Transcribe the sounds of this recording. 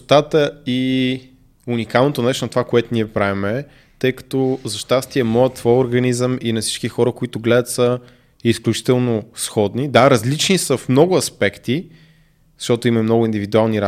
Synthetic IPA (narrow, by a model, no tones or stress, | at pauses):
t̪at̪əi | unikalˠnot̪onɛʃt̪nɐt̪ovakoɛt̪ʊniɛpɾavimɛ | t̪ɤjkɐ̥t̪ɔzɐʃt̪ast̪iɛmɔjət̪ːvɔjoɾɡɐnizəminɐfsi̥t͡ʃkixɔɾəkoit̪ʊɡlɛd̪ət̪sə | isklʲut͡ʃi̥t̪ɛlˠnosxɔd̪nid̪aɾɐzlit͡ʃnisəfmnɔɡʊɐspɛkt̪i | zəʃt̪ɔt̪ʊimɐmnɔɡʊind̪ivid̪ualˠniɾa